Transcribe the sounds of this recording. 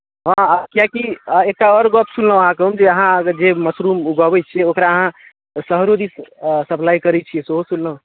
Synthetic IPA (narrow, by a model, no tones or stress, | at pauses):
ɦãkijakiek̚ʈaɔɾɡɔpsulləw̃ɦãkeɦumd͡ʒeəɦãd͡ʒeməsɾumuɡəbɛt͡ʃʰiɛokɾaəɦã | səɦɾod̪issəplajkəɾɛt͡ʃʰijɛsoɦosunllə̃